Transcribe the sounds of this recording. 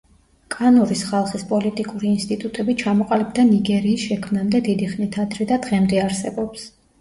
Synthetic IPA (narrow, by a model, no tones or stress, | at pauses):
kʼanɔɾisχalˠχispʼɔlit̪ʼikʼuɾiːnst̪ʼit̪ʼut̪ʼɛbit͡ʃʰamɔqʼalibd̪aniɡɛɾiːsʃɛkʰmnamd̪ɛd̪id̪iχnit̪ʰad̪ʰɾɛd̪ad̪ʁɛmd̪ɛaɾsɛbɔps